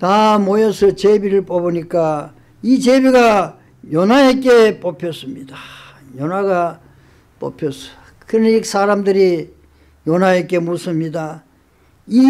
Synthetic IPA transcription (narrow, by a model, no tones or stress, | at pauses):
tamojʌsʰʌt͡ɕebiɾɯɭp͈ʌbɯɲik͈a | it͡ɕebiɡa | jʌnaek̬͈e̞p͈ʌpʰjʌs͈ɯmɲida | jʌnaɡa | p͈ʌ̰pʰjʌs͈ʌ̥ | kɯɾʌnik̚s͈aɾamdɯɾi | jʌnaek͈e̞mosɯmɲida | i